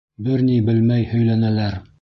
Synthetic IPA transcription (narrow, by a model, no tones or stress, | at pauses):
bɘɾnibɘlmæjhɵ̆jlænælæɾ